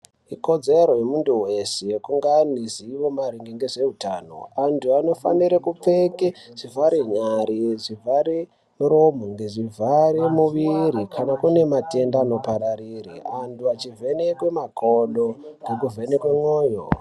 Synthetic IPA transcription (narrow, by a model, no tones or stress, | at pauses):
iko̞d͡zeɾo̞jemuntuwesejekuŋɡaniziʋo̞maɾiŋɡiŋɡeʐe̞utaːno̰antʰuano̞fa̰niɾekup͡fekeʐ̥ivʱaɾiɲaɾiʐivʱaɾi | muɾomoŋɡeʐivʱaɾimuʋiɾikʰanakune̞mate̞ndaːno̞paɾaɾiriantuat͡ʃive̞nekwe̞makʰoɗoŋɡek̬uvʱe̞nekwemoːjo̰